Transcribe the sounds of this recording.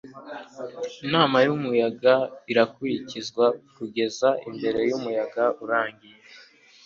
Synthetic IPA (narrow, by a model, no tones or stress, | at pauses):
inaːmajumujaɡaiɾakuɾicizɡwakuɡe̞zaimbe̞ɾe̞jumujaɡauɾaːŋɡije